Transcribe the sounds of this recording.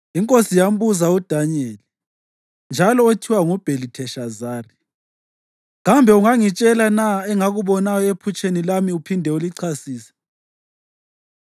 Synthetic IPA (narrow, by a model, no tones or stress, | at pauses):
iŋkʼosijam̩buzaud̥ʱaɲeːli | nd͡ʒʱalɔotʰiwaŋub̥ʱelitʰɛʃazaːri | ɣambʱɛuŋaŋit͡ʃʼɛlanaɛŋaɣuβɔnajɔepʰut͡ʃʼenilamiupʰindʱɛuliǀʰasiːsɛ̥